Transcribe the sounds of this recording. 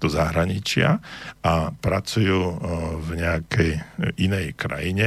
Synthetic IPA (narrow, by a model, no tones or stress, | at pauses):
d̪̥ɔzaɦɾaɲit͡ʃɪa̰apɾat͡sujuːvɲɛakʰɛjʔinɛjkɾa̰jiɲɛ